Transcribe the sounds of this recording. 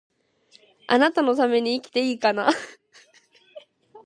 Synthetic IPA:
ʔa̰nat̪ano̞t̪ame̞ɲ̟iːkʲi̥t̪e̞iːkana

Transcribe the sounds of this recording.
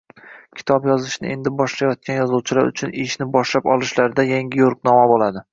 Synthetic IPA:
kʲʰɪ̥t̪ʰɒbjɒzɪʃnɪ̰ʔe̞nd̪ɪbɒʃlajɒt̪̚kʲʰanjɒzˠuwt͡ʃʰɪla̰ɾʊ̰t͡ʃʰʊneʃnɪbɒʃlapɒlˠɪʃlaɾɪd̪ajaŋʲɪjoɾqnɒmabolad̪ɪ

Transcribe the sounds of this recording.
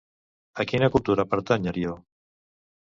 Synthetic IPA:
akinakulˠt̪uɾapaɾt̪aɲaɾio

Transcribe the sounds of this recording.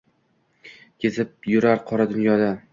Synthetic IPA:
kʰʲe̞zɪp̚jʊɾaɾqʰɒɾad̪ʊnjɒd̪a

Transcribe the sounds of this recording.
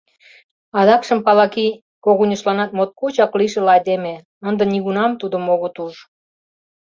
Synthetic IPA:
ɑd̪ɑkʃə̆mpɑlɑki | koɣunʲəʃlɑnɑt̪̚mot̪̚kut͡ɕɑkliʃelɑjd̪eme | ənd̪ɤ̆nʲiɣunɑmt̪ud̪ə̆moɣot̪uʒ

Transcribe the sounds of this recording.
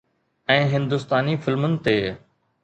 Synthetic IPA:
ɛ̃ːɦɪ̃nd̪ʊst̪aːnifɪlmənɪ̆t̪eː

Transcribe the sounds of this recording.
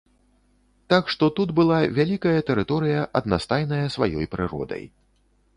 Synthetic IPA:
t̪akʂt̪ɔt̪ud̪bɨlˠavʲalʲikɐjɐt̪ɛɾɨt̪ɔɾɨjɐʔɐd̪nast̪ajnɐjɐsvajɔ̰jpɾɨɾɔ̰d̪ɐ̰j

